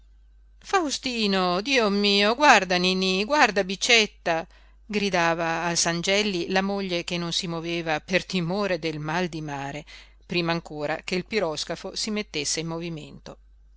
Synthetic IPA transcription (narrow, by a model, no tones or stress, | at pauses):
fawst̪iːnod̪iːomiːoɡward̪aniːniɡward̪abit͡ʃːet̪ːa | ɡɾid̪aːvaːlsand͡ʒɛlːilamoʎːekenːonsimoveːvapert̪imoːɾed̪elmald̪imaːɾe | pɾiːmaːŋkoːɾa̰keilpiɾɔskafosimet̪ːesːeimːovimḛnt̪o